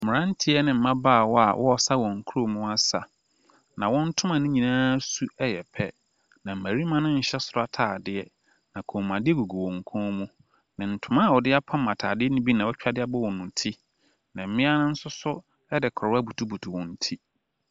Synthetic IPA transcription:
m̩˨mɪ̃˨ã˦n̩˦tʰɪ˦ɛ˦nɪ̃˨m̩˨mã˦baː˦˨wɔ˦a̰˨wʔɔ˦ɔ˨sa˦wɔ̃˨ŋ̩˨kʰu˦o˨mũ˦a˦sa˨ | nã˨wɔ̃˦n̩˦tʰʊ̃˦mã˨nɪ̃˦ɲĩ˨nãː˦su˦ɛ˦jɛ˨pʰɛ˦ | nã˨m̩˨mæ˨ɾi˦mã˦nʊ̃˦ɲ̩˨ɕɛ˦sʊ˨ɾa˦tʰaː˨dɪ˦ɛ˨ | nã˨kʰõ˨mːã˨dɪ˦ɛ˦ɡu˨ɡu˨wɔ̃˨ŋ˨kʰɔ̃ː˦mũ˦ | nɪ̃˨n̩˨tʰʊ̃˨˦mã˦˨wɔ˨dɪ˦a˦pʰã˦mã˨tʰaː˨dɪ˦ɛ˦nĩ˦bi˦nã˨wɔ˦t͡ɕᶣa˦dɪ˦a˦bɔ˦wɔ̃˨nʊ̃˨tʰi˦ | nã˨m̩˦mɪ̃˦a˦nʊ̃˦n̩˦sʊ˦sʊ˦ | ɛ˦dɪ˨kʰɔ˨˦a˦bu˨tʰu˦bu˨tʰu˨wɔ̃˨n̩˦tʰi˦

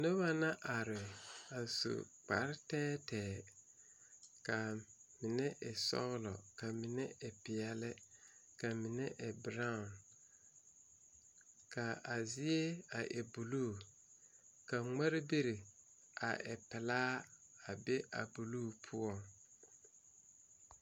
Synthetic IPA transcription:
no˦ba˦na˦ʔa˨ɾɪ˨a˨so̰˨k͡pa˨ɾɪ˦tɛː˦tɛː˨ | ka˨mɪ˨nɛ˦ʔɪ˨sɔ̰˦ɣlɔ˨ka˨mɪ˨nɛ˦ɪ˨pɪ˨ɛ˦lɪ˦ka˨mɪ˨nɛ˦ʔɪ˨bɾa˦˨n | ka˨a˨zɪ˦e˦a̰˨ʔe˨bu˨luː˦˨ | ka˨ŋ͡mɛ˦ɾɪ˦be˦ɾi˨ | a̰˨ʔɛ̰˨pɪ˨laː˦a˨bɛ˦ʔa̰˨bu˨luː˦˨pʰʊ˦ɔ˦

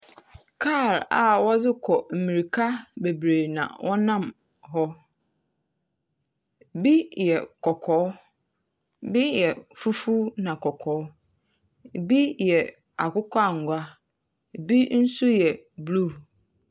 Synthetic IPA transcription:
kʰa˦˨la̰˨wɔ˦zɪ˦kʰɔ˨m̩˨mĩ˨ɾi˨kʰa˦be˨bɾeː˨nã̰˨wʔɔ˦nã˦˨m | ɦɔ˦ | bi˦jɛ˨kʰɔ˨kʰɔː˨˦ | bi˦jɛ˨fu˦fu˦nã˨kʰɔ˨kʰɔː˨˦ | bi˦jɛ˨ | a̰˨kʊ˦kʰʷa˦˨ŋ̩˨ɡʷa˦ | bi˦n̩˦su˦jɛ˨ | blu˦˨

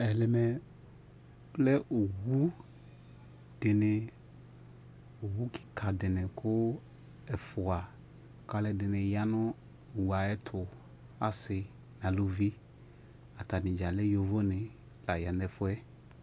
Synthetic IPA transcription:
ɛ˨lɪ˨mɛ˨˦ | lɛ˦ʔo˨wu˦ | dɪ˨nɪ˨ | o˨wu˦ki̥˨kʰa˨dɪ˨nɪ˨kʰʊ˦ | ɛ˨fʊ˨a˨ | ka˦lɛ˦dɪ˨nɪ˨ja˦nʊ˦ | o˨wu˨a˨ɛ˦tʰʊ˨ | a˨sɪ˨ | nã˨lo˨vi˦ | a˨ta˨nɪ̃˨d͡ʒa˨lɪ˦jo˨vo˦nɪ˨ | la˨ja˨nɛ˨fʊ˦ɛ˦

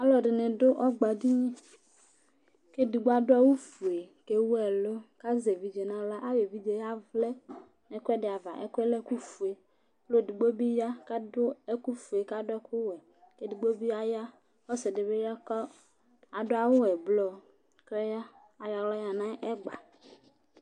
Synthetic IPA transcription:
a˦lɔ˨ɖɪ˨nẽ˨dʊ˦ʔɔ˦ɡ͡ba˨di˦ɲẽ˦ | ke˦di˨ɡ͡bo˦a˦dʊ˦a˦wu˦fu˨e˨ke˦wu˦ɛ˨lo˦ka˦ze˨vi˨d͡ʒe˨nã˦la˦ʔa˦we˨vi˦d͡ʒe˦ja˦vlɛ˦ | ne˨kʷɛ˦dɪ˨a˨va̰˨ʔɛ̰˦kɛ˦lɛ˦ku˦fu˨e˨ | lo˦di˨ɡ͡bo˦bi˦ja˦ka˦dʊ˦e˦ku˦fu˨e˨ka˦dʊ˦ɛ˦ku˦wɛ˨ | ke˦di˨ɡ͡bo˦bi˦a˦ja˦ | ɔ˦sɛ˨de˨βe˦ja˦kɔ˦ | a˨dʊ˦a˦˨wʊ˦wɛ˨blɔ˨ | klɛ˦ja˦ | a˨ja˨wlɔ˦ja˨nã˦ʔɛ˦ɡ͡ba˨

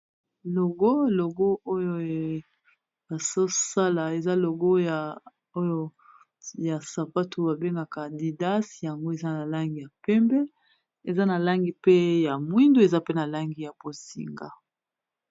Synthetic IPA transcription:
lo˨ɡo˦˨lo˨ɡo˦o˦jo˨ | ba˨so˦sa˦la˨e˨za˦lo˨ɡo˦ja˨ | o˦jo˦ | ja˨sa˨pa˦tu˨ba˨be˦ŋɡa˨ka˨di˨da˦sja˨ŋɡo˦e˨za˦na˨la˦ŋɡi˨ja˨pɛ˦mbɛ˦ | e˨za˦na˨la˦ŋɡi˨pe˦ja˨mwi˦ndu˦e˨za˦pe˦na˨la˦ŋɡi˨ja˨po˨sḭ˨ŋɡa̰˨

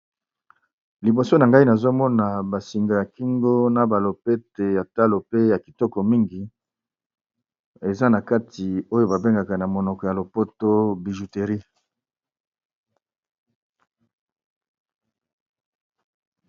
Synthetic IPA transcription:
li˨bo˨so˦na˨ŋɡa˦i˦na˨zo˦mɔ˦na˨ba˨si˨ŋɡa˨ja˨ki˦ŋɡo˦na˦ba˨lo˨pe˦te˨ja˨ta˦lo˨pe˦ja˨ki˨tɔ˦kɔ˨mi˦ŋɡi˨ | e˨za˦na˨ka˦ti˨o˦jo˦ba˨be˦ŋɡa˨ka˨na˨mo˨nɔ˨kɔ˨ja˨lo˨po˦to˦bi˨ʒu˨te˨ʁi˦

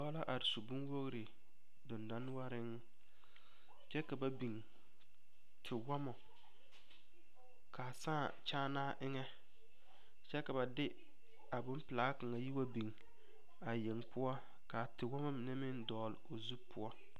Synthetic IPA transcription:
dɔ˦la˦ʔa˨ɾɪ˨so˨bu˦n˦wo˦ɣɾɪ˨ | dʊ˨nda˦n˦wa˦ɾɪ˦ŋ˦ | t͡ʃɛ˦ka˨ba˨bi˨ŋ | tʰɪ˨wa˦mɔ˨ | ka˨sãː˦˨t͡ʃaː˦naː˦ʔɪ˦ŋɛ˦ | t͡ʃɛ˦ka˨ba˨dɪ˦ | a˨bʊ˦mpɪ˨la˨˦ka˨ŋa˨ji˦wa˦bi˨ŋ | a˨je˨ŋpʊ˦ɔ˦ | ka˨tɪ˨wa˦ma˦mɪ˨nɛ˦mɪ˦ndɔː˨lɪ˨o˨zu˦pʊ˦ɔ˦

